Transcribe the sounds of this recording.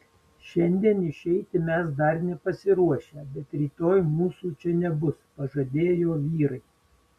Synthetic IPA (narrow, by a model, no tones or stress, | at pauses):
ʃʲɛnʲd̪ʲiɛnɪʃʲɛɪt̪ʲɪmʲɛs̬d̪ɐɾnʲɛpɐsʲɪɾuɔʃʲɛːbʲɛt̪ɾʲiːt̪oːjmuːsuːt͡ʃʲɛnʲɛbʊspɐʒɐd̪ʲeːjoːʋʲiːɾɐɪ